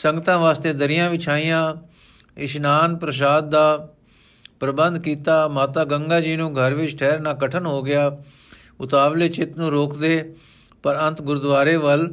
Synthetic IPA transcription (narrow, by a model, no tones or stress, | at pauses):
səŋɡt̪ãːʋaːst̪eːd̪əɾɪjãːʋɪt͡ʃʰaːijãː | ɪʃnaːnpɾəʃ̬aːd̪̚ːaː | pɾəbənd̪kiːt̪aːmaːt̪aːɡəŋɡaːd͡ʒiːnũːɡʱəɾʋɪt͡ʃʈʰɛːɾnãːkəʈʰənɦoːɡɪjaː | ʊt̪aːʋleːt͡ʃɪt̪nũːɾoːkd̪eː | pəɾə̃nt̪ɡʊɾd̪aːɾeːʋəl